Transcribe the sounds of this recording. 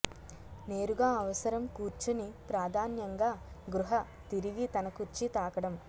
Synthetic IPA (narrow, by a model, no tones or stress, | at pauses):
neːɾuɡaːɐʋɐsɐɾɐmkuːɾt͡ʃunipɾaːd̪ʱaːnjɐŋɡaːɡɾuɦɐ | t̪iɾiɡit̪ɐnɐkuɾt͡ʃit̪aːkɐɽɐm